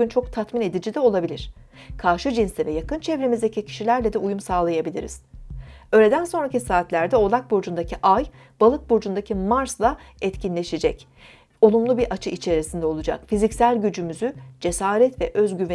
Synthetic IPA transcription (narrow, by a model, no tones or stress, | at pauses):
ynt͡ʃʰo̞k̚t̪ʰat̪mine̞d̪id͡ʒid̪ɛo̞lˠabilʲiɾ̥kʰaɾʃɯd͡ʒinsivɛjakɯnt͡ʃʰɛvɾemizd̪e̞cʰicʰi̥ʃilʲæɾlʲɛd̪ɛujumsaːlˠajabilʲḭɾḭz̥øːlʲe̞d̪ænso̞nɾacisaːt̪lʲæɾd̪ɛo̞lˠak̚buɾd͡ʒund̪aciʔaj | b̥alˠɯt̪̚buɾd͡ʒund̪acʰimaɾslˠa | ɛt̪cinlʲe̞ʃed͡ʒɛ̰c | o̞lˠumlˠubiɾʔat͡ʃʰɯit͡ʃʰe̞ɾisind̪ɛo̞lˠud͡ʒa̰kfizicsælʲɟyd͡ʒymyzyd͡ʒe̞saːɾɛt̪vɛʔøzɟyv